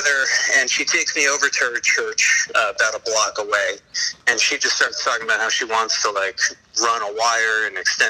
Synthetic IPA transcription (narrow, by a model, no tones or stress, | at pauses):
ðə˞ɨ̃nʃitʰeɪksmioʊvə˞tʰə˞t͡ʃʰɜ˞t͡ʃbaʊɾəblɑkəweɪɨ̃nʃid͡ʒʌststɑɹtstʰɔkɪ̃ŋəbaʊt̚haʊʃiwɑ̃ntstʰəlaɪk | ɹʌ̃nəwaɪə˞ɨ̃nɨkstɛ̃